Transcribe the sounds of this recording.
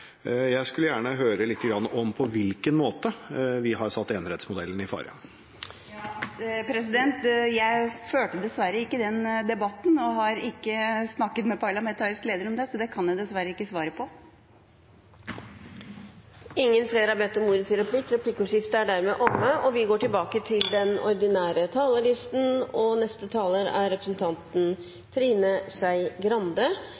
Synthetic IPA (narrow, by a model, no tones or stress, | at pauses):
jæɪskʉləjæːɳəɦøːɾəlɪt̪ːəɡɾɑnːəʔɔmpʰɔʋɪlkənmoːt̪əʋɪɦɑɾsɑt̪ːeːnɾɛt̪smʊd̪ɛ̰lːənɪfɑ̰ːɾɪ̰ɑ̰ | jpʰɾɛsɪd̪ɛnt̪jæɪføːʈəd̪ɛsʋæɾːəɪkːəd̪ɛnd̪ɛbɑt̪ːn̩ɔɦɑɾɪkːəsnɑkːət̪mɛpʰɑɭɑmɛnt̪ʰɑːɾɪskleːd̪əɾɔmd̪ɛsɔd̪ɛkʰɑnjæd̪ɛsʋæɾəɪkːəsʋɑːɾəpʰɔ | ɪŋːənfleːɾhɑbɛt̪ːɔmuːɾət̪ɪɾɛpʰliːk̪ɾɛpʰlɪkːəʉːʂɪft̪əæɖæɾmeːʔɔmːəʔɔʋɪɡoːʈɪlbɑːkət̪ʰɪld̪ɛnɔɾd̪ɪnæːɾət̪ʰɑːləɭɪst̪n̩ɔnɛst̪ət̪ʰɑːləɾæ̰ɾːɛpɾə̥sn̩t̪ʰɑnt̪n̩ | t̪ʰɾiːnəsæɪɡɾɑnd̪ə